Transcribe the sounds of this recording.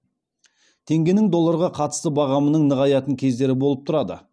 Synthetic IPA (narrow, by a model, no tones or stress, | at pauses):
t̪ʰe̞ŋɡʲe̞nɪŋd̪o̞lˠːɑɾʁɑqʰɑt̪ə̥st̪əbɑʁɑmənəɴnəʁɑjɑt̪əŋkʲʰe̞zd̪e̞ɾɪbo̞lˠəp̚t̪ʰʊɾɑd̪ə̰